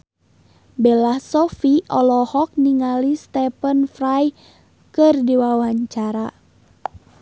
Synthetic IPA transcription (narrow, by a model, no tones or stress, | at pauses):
bɛlahsɔfiʔɔlɔhɔk̚niŋalist̪ɛpənfraj | kɨrdiwawaɲt͡ʃaɾa